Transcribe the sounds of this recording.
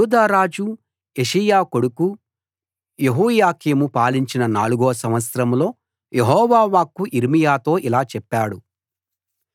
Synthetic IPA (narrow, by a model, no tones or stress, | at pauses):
uːd̪aːɾaːd͡ʒu | eʂijaːko̞ɽuku | jeɦuːjaːkiːmupaːliɲt͡ʃinɐnaːluɡoːsɐmʋɐt̪sɾɐmlo̞ː | jeɦɔːʋaːʋaːkːuʔiɾmijaːt̪o̞ːʔilaːt͡ʃɛpːaːɽu